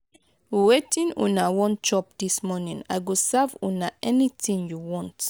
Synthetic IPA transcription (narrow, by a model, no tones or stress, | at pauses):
wetĩnɔ̰̃nawɔ̃nt͡ʃɔp̚d̪ismɔnĩŋa̰ɪɡosavɔ̃naʔɛnitĩŋjuwɔ̃nt